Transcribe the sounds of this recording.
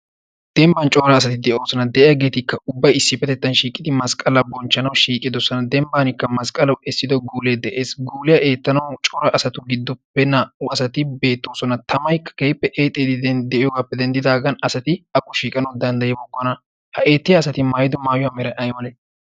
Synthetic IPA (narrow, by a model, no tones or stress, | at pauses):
d̪̥ɛmbɐnt͡ʃʼoːɾɐːsɐt̪ɪd̪ɛʔɪo̞ːsɔnɐd̪ɛʔɪjɐɡe̞ːt̪ɪkːɐʔʊbːɐjɪsːɪfɛt̪ɛt̪ːɐnʃiːkʼɪd̪ɪmɐskʼɐlɐbɔnt͡ʃːɐnɐwʃiːkʼːɪd̪ɔsːɔnɐd̪ɛmbaːnɪkːɐmɐskʼɐlɐwɛsːɪd̪ɔɡuːleːd̪ɛʔe̞ːsɡuːlɪjɐʔe̞ːt̪ːɐnɐwt͡ʃʼɔːɾɐʔɐsɐt̪ʊɡɪd̪ːʊbɛnɐʊɐsɐt̪ɪbe̞ːt̪ːoːsɔnɐt̪ɐmɐjkːɐ̥keːpːɛʔeːt̪ʼːed̪ɪd̪ɛʔɪjɔwaːpːɛd̪ɛnd̪ɪd̪aːɡɐnɐsɐt̪ɪɐkːʊʃiːkʼɐnɐwd̪ɐnd̪ɐjɛbɔkːɔnɐ | hɐʔe̞ːt̪ːɪjɐːsɐt̪ɪmajɪd̪ɔmaːjʊaːmɛɾɐʔɐjmɐlɛ